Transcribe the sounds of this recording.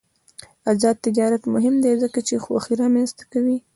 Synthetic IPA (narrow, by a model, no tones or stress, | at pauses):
azɑd̪̚t̪ːɪd͡ʒɑɾat̪mʊɦɪmd̪ezəkat͡ʃexwa̰xiɾɑmanst̪ḁkawi